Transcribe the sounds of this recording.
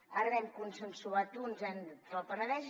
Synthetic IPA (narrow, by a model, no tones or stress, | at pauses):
arɛŋkunsənsuat̪unzənəlˠpənəðɛʒ